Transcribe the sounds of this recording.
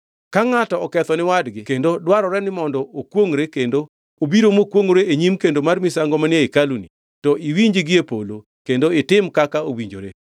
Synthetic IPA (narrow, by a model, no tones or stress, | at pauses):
kaŋatɔɔkɛt̪ɔnɪwadɡɪkendodwaɾɔɾɛnɪmɔndɔʔokwoŋɾekendo | obiɾomokwoŋoɾeeɲimkendomarmɪsaŋɡɔmanjeikaluni | tɔʔiwiɲd͡ʒiɡɪepolo | kendoɪtɪmkakaowiɲd͡ʒo̰ɾḛ